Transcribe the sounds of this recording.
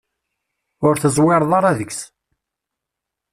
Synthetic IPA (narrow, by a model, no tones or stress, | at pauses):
ʊɾθəzˤwɪɾˤðˤɑɾˤɑðəks